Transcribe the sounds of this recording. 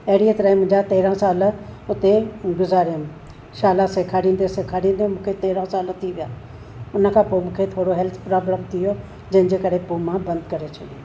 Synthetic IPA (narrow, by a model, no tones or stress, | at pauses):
ɐɦɽiet̪ɐɾaːĩmʊ̃ɦɪ̃ɲd͡ʑat̪eːɾãsaːlʊt̪eɡʊzaːɾijəm | ʃaːlasekʰaːɽĩːn̆d̪esekʰaːɽ̤ĩːnd̪emũːkʰet̪eːɾãsaːlt̪ʰiʋijaː | ʊnə̆kʰãːpoːmũːkʰet̪ʰoːɽoɦɛlt̪ʰpɾaːbləmt̪ʰijo | d͡ʑɐ̃ɦɪ̃d͡ʑeːkɐɾepuːmãbɐ̃nd̪kɐɾet͡ɕʰɐɗio